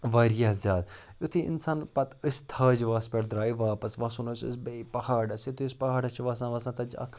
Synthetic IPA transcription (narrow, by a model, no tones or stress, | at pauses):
ʋaːɾijaːzjaːd̪ | ʊt̪ʰiːɪ̰nsaːnpɐt̪əst̪ʰɐːd͡ʒʋaːspʲeɽd̪ɾaːiʋaːpɐsʋaːsuːnosə̰sbeipɐhaːɖɐsʊt̪ʰispɐɦaːɖɐt͡ʃʰiʋaːs̬ãːʋaːsãːt̪ɐd͡ʒɐ̰kʰ